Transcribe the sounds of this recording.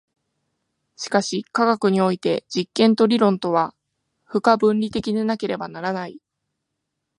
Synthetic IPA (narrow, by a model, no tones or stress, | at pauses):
ɕi̥kaɕikaɡakɯ̟ɲ̟io̞it̪e̞d͡ʑikːẽ̞nt̪o̞ɾʲiɾõ̞nt̪o̞βa | ɸɯ̟kabɯ̟̃nɾʲit̪e̞kʲid̪enake̞ɾe̞banaɾanai